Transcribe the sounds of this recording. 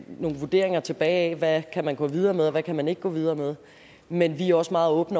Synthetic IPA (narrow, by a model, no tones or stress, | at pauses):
no̝ːn̩ʋuɐd̥e̝ɐe̝ŋɐt͡sʰe̝b̥ɛːɛʋækʰæmænɡ̥ɔ̰̽ːʋið̞ˠɐːmeð̞ˠɒʋækʰæmæne̝ɡ̥əɡ̥ɔ̰̽ːʋið̞ˠɐːmeð̞ˠ | menʋiɒ̽smɑ̈ːð̞̩ˠɔ̽ːb̥n̩ə